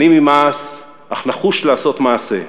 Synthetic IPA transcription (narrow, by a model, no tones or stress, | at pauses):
imimas | aχlaχuʃlaːso̞t̪maːse̞̰